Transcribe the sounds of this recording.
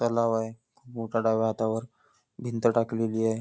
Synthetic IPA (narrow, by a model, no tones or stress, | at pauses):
t̪əlaʋaekʰuːpmoʈʰaɽaʋaɦat̪aʋəɾ | bʱint̪ʈakleliae